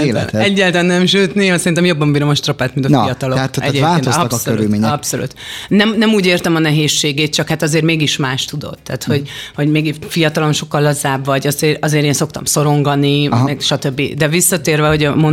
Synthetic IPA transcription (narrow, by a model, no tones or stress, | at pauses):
ɛ̰nɛɟːɛːlt̪anːɛmʃøːt̪niɒsɛɾint̪ɛmjo̞bːɒmbiːɾo̞mɒʃt̪ropaːt̪mint̪ɒijɒt̪ɒlot̪ɛɟeːaːlenosɒsølṵlmeːɲɛɒpsolṵt̪nɛmnɛmuːɟeːrt̪ɛmɒnɛɦeːʃːeːɡeːt̪̚t͡ʃɒkhat̪ɒzeːrmeːɡiʃmaːʃt̪ud̪o̞̰t̪ːa̰ːt̪ho̞ɟho̞ɟmeːɡifijɒt̪ɒlo̞nʃo̞kːɒlːɒzaːbvɒɟɒzeːɾɒzeːɾeːnsokt̪ɒ̰mso̞ɾo̞ŋɡɒniɛɡʃɒt̪ø̞bːid̪ɛvisːɒt̪eːrvɛɦo̞ɟɒmon